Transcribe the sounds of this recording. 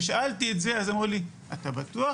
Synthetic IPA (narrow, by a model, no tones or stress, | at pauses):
ʃaltietze̞azamuʁli | at̪abatua